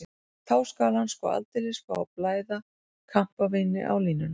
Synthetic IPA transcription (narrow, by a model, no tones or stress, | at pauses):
t̪ʰaːwskaːlanskvɔ̰a̰lt̪ɪlɪskvɔ̰awplaːjða | kʰam̥pavɪnːɪ̰ʔa̰wliːnʏn